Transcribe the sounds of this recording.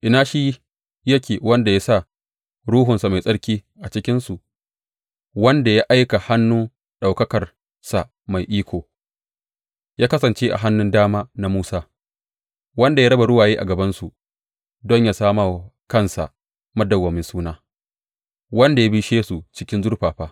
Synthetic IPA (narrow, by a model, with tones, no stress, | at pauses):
ʔɪ˨naː˦ʃi˦ | jɐ˦kʲeː˨wɐ˦nda˨ja˦sa˦˨ | ɽuː˦ɦʊ˨nsa˨ma˨jsʼɐ˦ɽkʲiː˦ʔa˨t͡ʃɪ˦kʲɪ˦nsu˨ʔ | wɐ˦nda˨ja˦ʔa˦jka˨ha˦nːu˦ | ɗa˨wkɐ˦kɐ˨r | sa˨ | ma˨jʔiː˦kʷʰoː˨ | jaː˦kɐ˦sɐ˨nt͡ʃeː˦ʔa̰˨ɦa˦nːʊ˦ndaː˦maː˦na˦muː˦saː˦ | wɐ˦nda˨jaː˦ɾɐ˦ba˨ɽʊ˦waː˨jeː˦ʔa̰˨ɡɐ˨bɐ˦nsu˨ | dɔ˦ɲjaː˨saː˦maː˦˨ | kɐ˦nsa̰˨ | mɐ˦dɐ˨wɐ˨mɪ˦nsuː˦naː˦ | wɐ˦nda˨ja˦bi˦ʃeː˦su˨t͡ʃɪ˦kʲɪ˦nzʊ˦rɸaː˨ɸaː˦